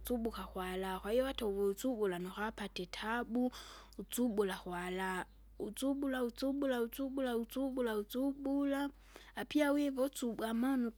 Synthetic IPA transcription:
t͡subukaxwalakwaiɔwatauvɔut͡suɓulanɔxapatɛtʰabu | ut͡suɓulaxwala | ut͡suɓulaut͡suɓulaut͡suɓulaut͡suɓulaut͡suɓulaː | piawɛvɔt͡subwamanu

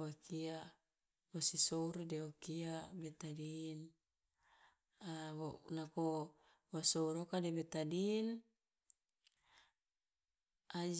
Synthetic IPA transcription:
wakia | wasisoɾodɛokiamet̪adin | anako | wasouɾokademet̪adin | ad͡ʒ

